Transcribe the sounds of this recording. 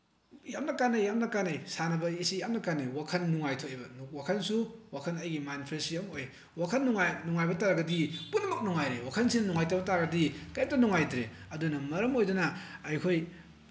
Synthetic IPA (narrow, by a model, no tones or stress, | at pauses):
jamnɐkanajjamnɐkanɐjsanɐbɐisijamnɐkanijwakʰɐnːuŋajtʰoebɐnuk̚wakʰɐnsuwakʰɐnɐjɡimanpʰɾensijɐmoj | wakʰɐnːuŋajnuŋajbɐtaɾɐɡɐdipunːɐmɐk̚nuŋajɾewakʰɐnsinɐnuŋajtɐbɐtaɾɡɐdikɐjap̚tɐnuŋajtɾeɐdunɐmɐɾɐmojdɐnɐːjkʰoj